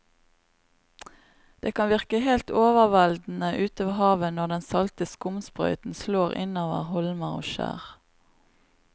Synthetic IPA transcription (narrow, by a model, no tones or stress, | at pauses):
d̪̥eːkʰɑnʋɪʁkəheːlt̪oːʋəʁʋæld̪n̩əʔʉːt̪oːʋəhɑːʋənɔʁd̪ɛnsɑlt̪əskʊmspʁœ̰ʏt̪n̩sloːʁɪ̰noːʋə̰ʁhɔlməʁo̰ːʃæ̰ːʁ